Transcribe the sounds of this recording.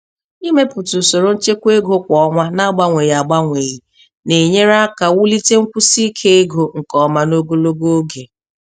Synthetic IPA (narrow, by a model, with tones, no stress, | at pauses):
i˦me˦pʊ˨tu˨so˨ɾo˨n̩˦t͡ʃe˦kʷe˦ɡo˦kʷɔ˨˦ŋʷa˦na˦ɡ͡ba˦ŋʷe˨ji˨a˨ɡ͡ba˦ŋʷe˨ji˨ | ne˨ɲe˦ɾa˦ka˨wu˦li˦te˦ŋ̩˦kʷu˦si˦kʰe˦e˦ɡo˨ŋ̩˨kɔ˦ma˦no˦ɡo˦lo˦ɡo˦ɡe˨